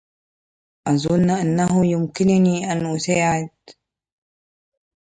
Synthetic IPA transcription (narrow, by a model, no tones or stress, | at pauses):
ʔazˤʊnːʔanːaɦʊjʊmkɪnniʔanʔʊsaːʕɪd̪̚